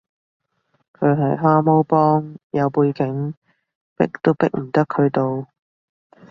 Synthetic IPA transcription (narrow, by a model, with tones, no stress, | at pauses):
kʰɵ˨˧ɥɦɐ˨˩jɦaː˥mo˥wpɔː˥ŋjɐ˨˧wpuː˧jkɪ˨˥ŋ | pɪ̰˥k̚t̪o˥wpɪ˥k̚m̩˨˩t̪ɐ˥kʰɵ˨˧ɥt̪o˨w